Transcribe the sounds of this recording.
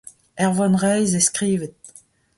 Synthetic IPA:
ɛʁvɑnʁɛjzeskʁiːvət̪̚

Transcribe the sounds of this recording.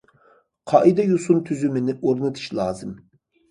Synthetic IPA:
qʰɑʔid̪ɛjusunt̪ʰyzymɪnɪʔoɾnɨt̪ʰɨ̥ʃlˠɑ̰ːzɨm

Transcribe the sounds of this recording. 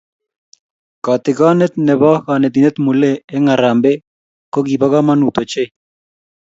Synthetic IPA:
kat̪eɡanet̪neβaxanet̪inet̪muleːŋaɾambe | koɡiβaɣamanut̪ot͡ʃej

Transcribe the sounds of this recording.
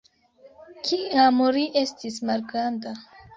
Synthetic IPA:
kʰiamoɾiʔestismaɾɡɾanda

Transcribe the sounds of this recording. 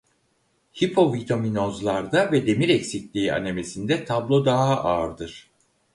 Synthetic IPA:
hipʰo̞vit̪ʰaminozlˠaɾd̪avɛd̪e̞miɾɛcsiclʲiːa̰ne̞me̞sind̪ɛt̪ʰablˠo̞d̪aɦaʔaɾd̪ɯɾ̥

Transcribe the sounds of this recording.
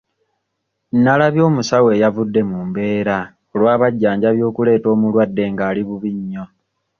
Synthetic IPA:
nalaβjo̞ːmusawe̞ːjavudːe̞mumbe̞ːɾa | olwaːβaɟːaːɲɟaβjo̞ːkule̞ːto̞ːmulwadːe̞ːŋɡaːliβuβiɲːo̞

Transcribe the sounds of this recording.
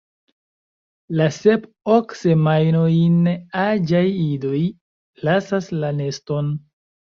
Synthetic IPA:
lase̞p | okse̞majnojnad͡ʒajido̞j | lasaslane̞sto̞n

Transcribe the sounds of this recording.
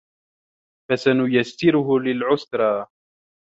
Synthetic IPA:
fasanʊjasːɪɾʊɦʊlɪlʕʊsɾˤɑː

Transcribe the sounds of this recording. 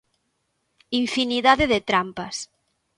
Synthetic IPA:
iɱfiniðaðeðet̪ɾampas

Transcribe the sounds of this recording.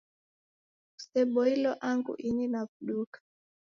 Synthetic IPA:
usɛɓɔilɔʔaŋɡṵʔininakuɗukḁ

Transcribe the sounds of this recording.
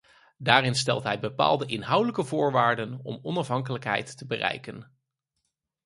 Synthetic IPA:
daːrɪnstɛlˠtɦɛjbəpa̰ːlˠdəʔɪnɦʌwdələkəvʊːɹʋaːɹdənɔ̰mɔnɑfɦɑŋkələkɦɛ̰jtːəbərɛ̰jkən

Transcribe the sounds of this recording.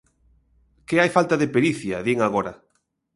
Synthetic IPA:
kɪajfalt̪ɐðepeɾiθjɐðiŋaɣoɾɐ

